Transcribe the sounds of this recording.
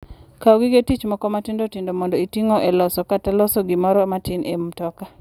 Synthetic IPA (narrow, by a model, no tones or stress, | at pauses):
kaoɡɪɡetit͡ʃmɔkɔmatɪndotɪndomɔndɔitiŋoʔelɔsɔkatalɔsɔɡimɔɾɔmatɪnʔemtɔka